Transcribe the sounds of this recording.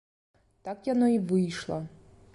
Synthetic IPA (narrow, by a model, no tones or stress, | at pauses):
t̪akjanoivɨjʂlˠɐ